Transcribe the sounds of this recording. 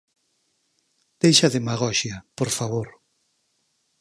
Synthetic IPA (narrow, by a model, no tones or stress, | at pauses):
d̪̥ejʃɐðemaɣɔʃjɐpoɾfaβoɾ